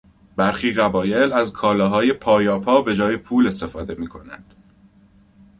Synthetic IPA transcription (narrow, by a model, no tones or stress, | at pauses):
bæɾxiːɣæbɒːje̞læzkʰɒːlɒːɦɒːje̞pʰɒːjɒːpʰɒːbe̞d͡ʒɒːjepʰuːle̞st̪e̞fɒːd̪e̞miːkʰo̞næ̰nd̪̥